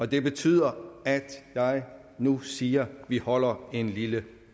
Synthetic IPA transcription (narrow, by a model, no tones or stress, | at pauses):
ɒ̽d̥e̝b̥e̝t͡sʰy̰ːð̰ˠɐæd̥jɑ̈ɪ | nusiːɐʋihɒ̽l̰ɐe̝nlilə